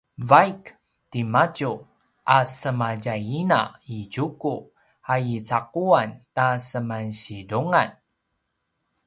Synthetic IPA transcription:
vajk | timacu | ʔasəmaɟajina̰iɟuku | ajit͡saq̚uantasəmanɕiduŋan

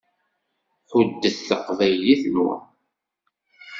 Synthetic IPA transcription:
ħʊd̪ːəθθəqvæjliθmʊ̰

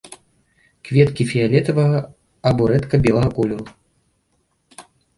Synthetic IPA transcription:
kvʲɛt̪kʲifʲijalʲɛt̪ɐvɐɣɐ | ɐbɔɾɛt̪kɐbʲɛlˠɐɣɐkɔlʲuɾu

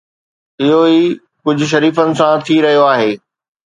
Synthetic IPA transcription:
ɪɦoiː | kʊd͡ʑʱʊ̆ʃ̬ɐɾiːfənɪ̆sãt̪ʰiɾɐɦijoaːɦeː

